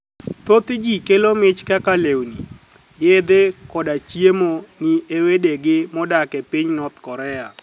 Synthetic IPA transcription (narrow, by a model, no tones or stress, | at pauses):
t̪ot̪ɪd͡ʒikelomɪt͡ʃkakalewni | jed̪ekɔdat͡ʃjemoniewedeɡɪmɔdakɛpiɲnɔt̪kɔɾɛa